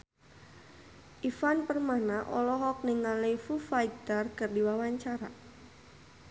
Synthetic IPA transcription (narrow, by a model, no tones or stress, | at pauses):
ʔifanpərmanaʔɔlɔɦɔk̚niŋalefufajt̪ərkərdiwawaɲt͡ʃaɾa